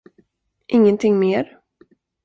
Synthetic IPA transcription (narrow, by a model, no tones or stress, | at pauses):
ʔɪŋːənt̪ʰɪŋmeːɾ